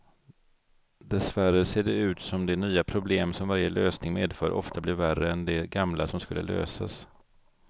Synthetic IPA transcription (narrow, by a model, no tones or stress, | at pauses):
d̪ɛsværəseːɖɛʉ̟ːt̪sɔmd̪ɛnyːapʰɾʊbleːmsɔmvaɾjəløːsnɪŋmeːd̪fœːɾʔɔ̰ft̪ʰablɪɾværːəɛnd̪ɛɡamlasɔmskɵlːə̰lø̰ːsa̰s